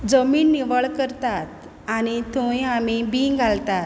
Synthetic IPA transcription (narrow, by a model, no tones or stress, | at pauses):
d͡zəmiːnːiʋəɭkəɾt̪at̪ | añit̪ũjamibiɡʱalt̪at̪